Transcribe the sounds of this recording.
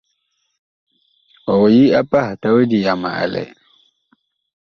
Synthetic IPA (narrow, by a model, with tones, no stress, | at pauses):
ɔ˨wɔ˨ji˦a˦pa˦hta˦we˦di˨ja˨ma̰˨ʔa̰˨lɛ̰˨